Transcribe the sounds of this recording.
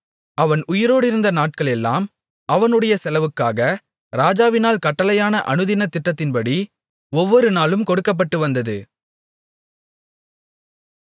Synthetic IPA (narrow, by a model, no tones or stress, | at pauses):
ʔɐʋɐnʊjɪɾoːɽɪɾɯnd̪ɐnaːʈ̚kɐɭɛlːa̰ːm | ɐʋɐnɯɽɐjɐsɛlɐʋɯkːaːɣɐ | ɾaːd͡ʒaːʋɪnaːlkɐʈːɐlɐjaːnɐʔɐ̰ɳɯðɪnɐt̪ːɪʈːɐt̪ːɪnpɐɽi | ɔʋːɔɾɯnaːlɯmkɔɽɯkːɐp̬ːɐʈːɯʋɐnd̪ɐðɯ